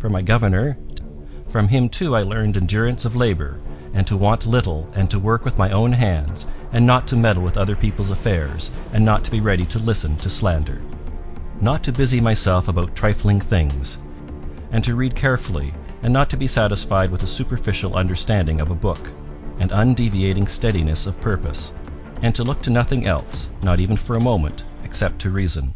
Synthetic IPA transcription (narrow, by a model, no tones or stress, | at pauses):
fə˞maɪɡʌvə˞nə˞ | fɹʌ̃mɪ̃mtʰʉaɪlɜ̃˞ndɨ̃ndʊɹɨ̃nsʌvleɪbə̰˞ɨ̃ntʰəwɑ̃nʔlɪɾl̩ˠɨ̃ntʰəwɜ˞kwɨðmaɪõʊ̃nɦæ̃ndz̥ɨ̃nːətʰɨmɛɾl̩ˠwəðʌðə˞pʰipl̩ˠzəfɛɹz̥ɨ̃nːətʰɨbiɹɛɾiɾɨlɪsɨ̃ntʰɨslæ̃ndə̰˞ | nətʰɨbɪzimaɪsɛlˠfəbaʊtʰɹ̥aɪflˠɪ̃ŋθɪ̃ŋz̥ | ɨ̃ntʰɨɹid̚kʰɛɹfl̩ˠḭ | ɨ̃nːətʰɨbisæɾəsfaɪd̚wəðəsʉpə˞fɪʃl̩ˠʌ̰̃ndə˞stæ̃ndɪ̃ŋʌvəbʊk | ɨ̃nə̃ndivieɪɾɪ̃ŋstɛɾinɨsʌv̥pʰɜ˞pɨ̰s | ɨ̃ntʰəlʊk̚tʰɨnʌθɪ̃ŋʔɛ̰lˠsnəɾiṽn̩fə˞əmõʊ̃mɨ̰̃ntɨksɛp̚tʰɨɹizɨ̃n